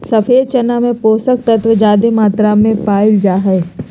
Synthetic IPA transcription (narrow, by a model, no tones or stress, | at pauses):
sɐfʰeːd̪̚t͡ʃɐnamẽpoːsək̚t̪ɐt̪ʋəd͡ʒaːd̪imaːt̪ɾamẽpaːɪld͡ʒaːɦɛː